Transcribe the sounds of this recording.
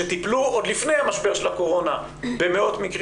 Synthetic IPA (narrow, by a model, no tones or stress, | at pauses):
et̪ipluod̪lifne̞jhamaʃbeʃelako̞ʁo̞na | be̞me̞o̞t̪mikʁ